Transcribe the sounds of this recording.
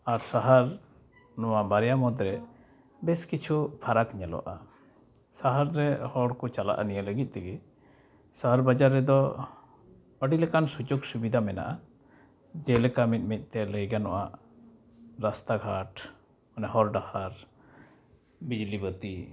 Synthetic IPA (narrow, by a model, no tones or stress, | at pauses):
aɾsaɦaɾ | nɔwabaɾɛjamɔd̪ɾɛ | bɛskit͡ʃʰupʰaɾakɲɛlɔ̰ʔa | saɦaɾːɛhɔɽkɔt͡ʃala̰ʔa̰nijələɡit̪̚ˀt̪ɛɡɛ | saɦaɾbad͡ʒaɾːɛd̪ɔ | əɖilɛkansud͡ʒoɡsubid̪ʱamɛna̰ʔa | d͡ʒɛlɛkamit̪̚ˀmit̪̚ˀt̪ɛləjɡanɔʔaʔ | ɾast̪aɡʱaʈ | ɔnɛɦɔɾɖahaɾ | bid͡ʒlibət̪i